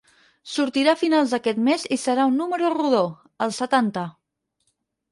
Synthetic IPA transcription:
suɾt̪iɾafinalˠzd̪əkɛt̪mezisəɾaunːuməɾuruðo | əlˠsət̪ant̪ə

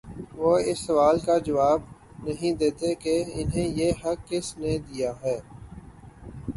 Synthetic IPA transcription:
ʋoːɪsːɐʋaːlkad͡ʒɐʋaːb | nɐɦĩd̪eːt̪ekeɪnɦẽjeɦɐkːɪsned̪ijaɦɛː

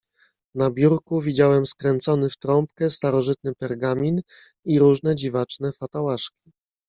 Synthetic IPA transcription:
nabʲjuɾkuvʲid͡ʑawɛmskɾɛnt̪sɔnɘft̪ɾɔmpkɛst̪aɾɔʐɘt̪̚nɘpɛɾɡamʲin | iɾuʐnɛd͡ʑivat͡ʂnɛfat̪awaʂkʲi̥

